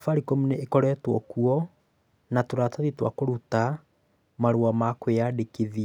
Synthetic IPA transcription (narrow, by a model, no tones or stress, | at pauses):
faɾikomuneekɔɾɛtwɔkuɔ | natoɾataðitwa̰koɾuta | maɾuwamakojadekeðia